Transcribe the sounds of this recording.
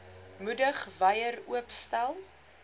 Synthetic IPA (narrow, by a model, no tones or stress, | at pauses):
mudəχvɐjəruəpstælˠ